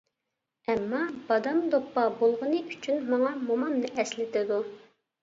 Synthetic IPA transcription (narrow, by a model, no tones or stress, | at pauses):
ɛmːɑb̥ɑd̪ɑmd̪opːɑbolˠʁənɨʔyt͡ʃʰynmɑŋɑmomɑmnɨʔɛslɪt̪ʰɪd̪u